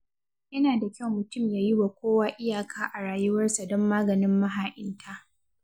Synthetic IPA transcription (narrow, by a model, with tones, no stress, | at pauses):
jɐ˦naː˨da˨kʲɐ˦˨wmʊ˨tʊ˦˨mjaː˦ji˦wa˨kʷoː˦waː˦ʔɪ˦jaː˨kʰaː˦ʔa˨ɽaː˨jʊ˦wɐ˦rsa˨dɔ˦mːaː˦ɡɐ˨nɪ˦mːɐ˦ɦaː˨ʔɪ˦ntʰa˦ʔ